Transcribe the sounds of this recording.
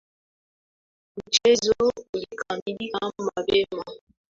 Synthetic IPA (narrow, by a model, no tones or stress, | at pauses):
mut͡ʃezoulikʰamilikammabɛma